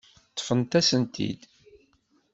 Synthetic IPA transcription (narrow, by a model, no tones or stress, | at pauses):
t̪ˤːə̥fənt̪æsənt̪ḭd̪